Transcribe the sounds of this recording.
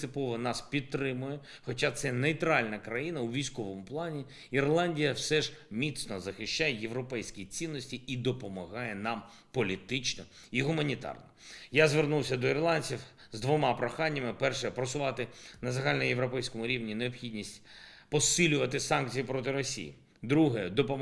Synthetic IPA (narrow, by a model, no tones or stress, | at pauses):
sɪpɔʋɔnɑspʲid̪̚t̪ːɾɪmʊjɛ | xɔt͡ʃat̪sɛnejt̪ɾɑlʲnɐkɾɐjinɐwʋʲijsʲkɔʋɔmʊplˠɑnʲi | irlˠɑnʲdʲijɐwsɛʒmʲit̪snɔzɐxɪʃt͡ʃajɛjeʋɾɔpɛjsʲkʲit͡sʲinːɔsʲtʲiid̪ɔpɔmɐɦɑjɛnɑm | pɔlʲit̪ɪt͡ʃnɔ | iɦʊmɐnʲit̪ɑ̰rnɔjazʋernuwsʲɐd̪ɔirlˠɑnʲt͡sʲiw | zd̪ʋɔmɑpɾɔxɑnʲːɐmɪpɛrʃɛpɾɔsʊʋɑt̪ɪnɐzɐɦɑlʲnɔjeʋɾɔpɛjsʲkɔmʊɾʲiʋnʲineɔpxʲidʲnʲisʲtʲpɔsɪlʲʊʋɐt̪ɪsɑnk̚t͡sʲijipɾɔt̪ɪɾɔsʲḭjḭ | d̪ɾuɦɛd̪ɔpɔ